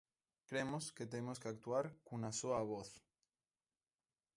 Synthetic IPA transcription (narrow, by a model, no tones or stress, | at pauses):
kɾemosket̪emoskeak̚t̪uaɾkunasoaβ̞oθ